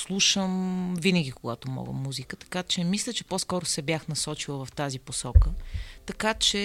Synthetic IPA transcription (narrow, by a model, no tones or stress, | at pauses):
slˠuʃəmvinəɡʲikoɡa̰t̪omɔ̰ɡə̰mːuzikət̪ɐ̥kat͡ʃɛmislʲət͡ʃɛposkɔɾosɛbjaxnɐsɔt͡ʃilˠəvɐft̪aziposɔkət̪ɐkat͡ʃɛ